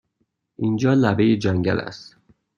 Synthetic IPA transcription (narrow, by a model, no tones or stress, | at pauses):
ʔind͡ʒɒːlæbejed͡ʒæŋɟæ̰læ̰st̪